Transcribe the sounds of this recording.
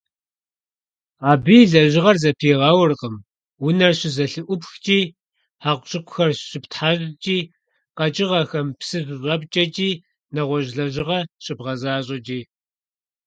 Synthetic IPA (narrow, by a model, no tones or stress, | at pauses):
aːbiːɮɐʑɪʁɐrzɐpʰiːʁɑːwʊrqəm | wʊnɐrɕɪzɐɬɨʔʷʊpxt͡ʃʼiː | ħaqʷɕʼɨkʷʊxɐrɕɪptħaːɕʼt͡ʃʼiː | qɐt͡ʃʼɪʁɐxɐmpsɨzɕʷʼɐp̚t͡ʃʼɐt͡ʃʼiː | nɐʁʷɔʑɮɐʑɪʁɐɕɪbʁɐzaːɕʼɐt͡ʃʼiː